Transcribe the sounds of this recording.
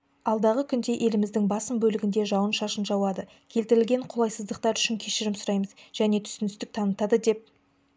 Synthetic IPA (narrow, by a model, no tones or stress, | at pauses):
ɑlˠd̪ɑʁəkʲʰʏnd̪e̞ʔe̞lɪmɪzd̪ɪŋbɑsəmbɵlɪɡʲɪnd̪e̞ʒɑwənʃɑʃənʒɑwɑd̪ə | kʲʰe̞lt̪ɪɾɪlɡʲe̞ɴqʰolˠɑjsəzd̪əq̚t̪ɑɾʏʃɪŋkʲʰe̞ʃɪɾɪmsʊɾɑjməzʒ̥æne̞t̪ʰʏ̥sɪnɪst̪ɪk̚t̪ʰɑnət̪ɑd̪əd̪e̞p̚